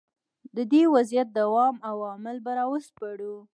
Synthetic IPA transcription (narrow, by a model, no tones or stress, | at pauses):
d̪əd̪ewazjat̪̚d̪awɑmawɑmɪlbaɾɑwəs̚paɽu